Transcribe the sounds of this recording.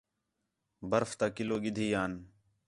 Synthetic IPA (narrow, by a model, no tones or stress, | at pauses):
bəɾft̪aːkɪloːɡɪd̪ʱiːjaːn